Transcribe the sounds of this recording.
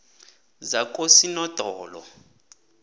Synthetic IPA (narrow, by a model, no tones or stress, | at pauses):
zakʰʼosinɔd̥ʱɔːlɔ̰